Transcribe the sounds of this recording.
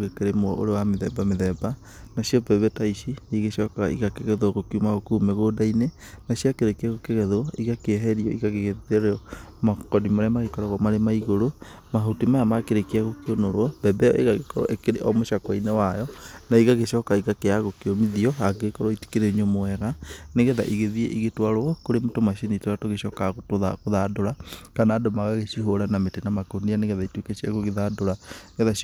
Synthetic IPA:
ɣekeɾemo̰ɾewameðɛbameðɛba | naʃiɔbɛβɛtaiʃiniɣeʃɔkaḭɣakeɣɛðwɔɣokiumaɣokumɛɣodaine | naɕiakeɾekiaɣokeɣɛðwɔiɣakeɦɛɾiɔiɣaɣeɣeeɾeɔmakɔdimaɾemaɣekɔɾɔɣɔmaɾemaiɣoɾo | maɦutimaamakeɾekeaɣokeonoɾwɔbɛbɛɔʔḛɣaɣekɔɾɔ̰ʔekeɾeʔɔmoʃakɔinewajɔnaiɣaɣeʃɔːkaiɣakeaɣokeomiðiɔaɡekɔɾɔiti̥keɾeɲomoɛɣaneɣɛða̰ʔiɣeðiḛʔiɣetwaɾoɔkoɾemetomaʃinitoatoɣeʃɔːkaɣotoðaɣoðadoɾakanaːdomaɣaɣeʃiɦoɾanametenamakonianeɣɛðaitwekeʃiaɣoɣeðadoɾaɣɛða

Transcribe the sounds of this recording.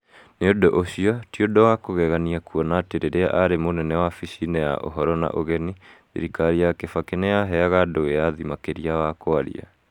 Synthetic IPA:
neodoʔoɕiɔtiodɔwakoɣɛɣaniakuɔnateɾeɾeaʔaɾemonɛnɛwafisinɛja̰ʔo̰ɦɔɾɔna̰ʔoɣɛniðḭɾikaɾiakefakenejaɦɛaɣadoeaðimakeɾiawakoaɾḭa̰

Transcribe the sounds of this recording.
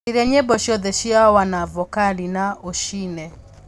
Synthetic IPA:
iɾɛɲebɔʃjɔðɛʃiaɔwanavɔkalinaoʃinɛ

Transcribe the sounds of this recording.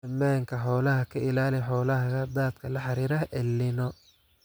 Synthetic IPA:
ɐmaːŋkʰɐħɔːlɐɦɐkʰɐʔɪlaːlɪħɔːlɐɦɐɣɐd̪aːd̪̚kʰɐlɐħɑɾiːɾɐʔɛlːɪnɔ

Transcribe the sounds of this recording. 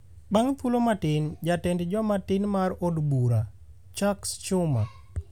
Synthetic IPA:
baŋpulomatɪnd͡ʒatɛndd͡ʒɔmatɪnmaɾodbuɾa | t͡ʃakst͡ʃʊma

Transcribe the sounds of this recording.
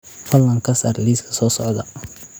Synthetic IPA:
fɐlːɐŋkʰɐsaːrliːskʰɐ̥sɔːsɔʕd̪ɐ

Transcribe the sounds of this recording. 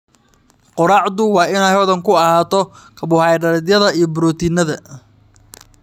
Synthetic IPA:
qɔɾɑʕd̪ʊwɑːɪnajwðɐŋkʰʊɐhaːt̪ʰɔ | kʰɐbʊhɑjɖɐɾd̪jɐðɐijɔbʊɾɔːt̪ʰinɐðɐ

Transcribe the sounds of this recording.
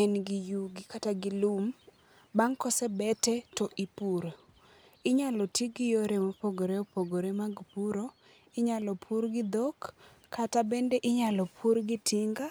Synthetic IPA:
ɛnɡɪjuɡɪkataɡɪlum | baŋkɔsɛbɛtɛtɔʔipuɾo | ɪɲalɔtiɡɪjoɾemopoɡoɾeopoɡoɾemaɡpuɾo | ɪɲalɔpʰuɾɡɪd̪okːʰ | atabendeʔɪɲalɔpʰuɾɡɪtʰiŋɡa

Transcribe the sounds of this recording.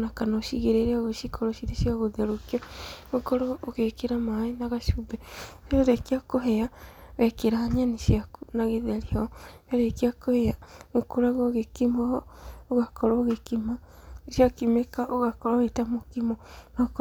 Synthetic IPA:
nakanoʃiɣeɾeɾeaɣoʃikʰoɾɔʃiɾeʃiaɣoðeɾokiaɣokɔɾɔoɣekeɾamaenaɣaʃubɛoɾekiakoɦɛaɣɛkeɾaaɲaniʃiakunaɣeðeɾiɔaɾekiakoheaɣokoɾaɣoɣekimɔoɣakɔɾɔɣekimaʃiakimekaʔoɣakɔɾɔɣetamokimɔnak

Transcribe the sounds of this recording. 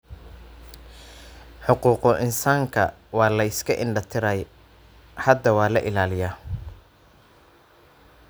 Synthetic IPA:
ħʊquːqɔʔɪnsaːŋkʰɐwɑːlɐɪskʰɐʔɪɳɖɐt̪ʰɪɾɐj | hɐd̪ːɐwɑːlɐʔɪlaːlɪjaː

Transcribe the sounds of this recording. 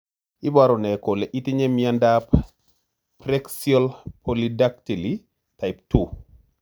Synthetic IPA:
ibaɾɔnɛkolɛʔitiɲemiandap | pɾɛksiɔlpʰolidak̚tili | tajp̚tu

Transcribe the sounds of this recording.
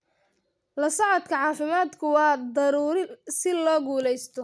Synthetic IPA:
lɐsɐʕɑd̪kʰɐʕɑːfɪmaːd̪kʰʊwɑːd̪ɐɾuːɾɪsɪlɔːɡuːlɛjst̪ʰɔ

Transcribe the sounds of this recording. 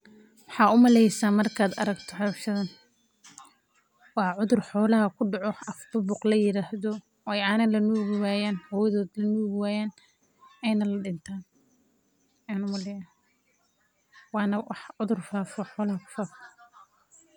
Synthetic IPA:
wɑħɑːʊmɐlɛjsaːmɐrkʰaːd̪ɐ̰ɾɐɡt̪ʰɔħɔʃɐðɐn | wɑːʕʊðʊrħɔːlɐɦɐkʰʊɖɑʕɔɐft̪ʊbʊqlɐjɪɾaːhðɔ | wɑːjaːnɐlɐnuːɣɪwaːjaːnhɔwjɐðɔːd̪lɐnuːɣɪwaːjaːn | ɛjnɐlɐɖɪnt̪ʰaːn | ɛnʊmɐlɛjaː | wɑːnɐwɑħʕʊðʊrfaːfɔħɔːlɐhɐkʰʊ̥faːfɔ

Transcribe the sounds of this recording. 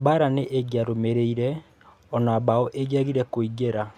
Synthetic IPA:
baɾaneʔeɡjaɾomeɾeiɾɛ | ɔnabaɔʔeɡiaɣiɾɛkoiɡeɾa

